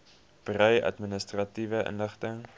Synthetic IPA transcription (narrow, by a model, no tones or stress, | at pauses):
b̥rœɥʔɐ̰tminəstrɐtivəʔə̰nləχtəŋ